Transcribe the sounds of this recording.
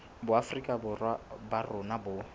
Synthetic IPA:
bʊafrikʼabʊrwabarʊnabʊ

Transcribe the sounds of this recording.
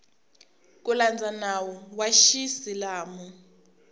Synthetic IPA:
k̬uland͡zʱanawɔwaʃisilaːmɔ

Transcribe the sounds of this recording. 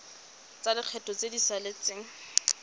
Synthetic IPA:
t͡sadɪq͡χʰɛtʼɔt͡sedisalɪt͡sɪŋ̩

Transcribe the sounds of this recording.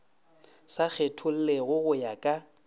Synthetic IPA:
sak͡xʰetʰʊl̩leɣʊɣʊjakʼa

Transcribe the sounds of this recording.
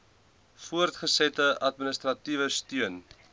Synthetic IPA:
fuərtχəsɛtəɐtminəstrɐtivəstyən

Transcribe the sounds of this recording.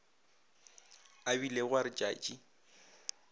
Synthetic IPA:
abileɣwaɾɪt͡ʃʼa̰ːt͡ʃʼi

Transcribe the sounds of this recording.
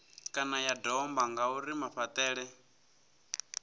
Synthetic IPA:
kʼanajadɔmbaŋɡauɾimaɸat̪ʼɛːɺɛ

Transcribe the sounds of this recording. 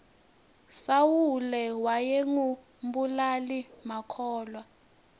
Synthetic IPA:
sawulɛwajeŋu | mbulalimakʰɔːlwa

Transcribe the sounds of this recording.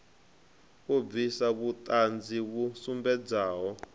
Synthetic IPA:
kub̪visaβut̪ʼand͡ziβusumbɛd͡zaːɦɔ

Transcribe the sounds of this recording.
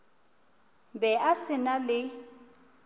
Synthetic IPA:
bɛʔasɪnalɪ

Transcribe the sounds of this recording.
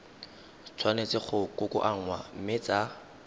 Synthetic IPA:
t͡sʰwanet͡sɪχʊkʊkʼʊ̰ʔaŋ̩wam̩mɪt͡sʼa

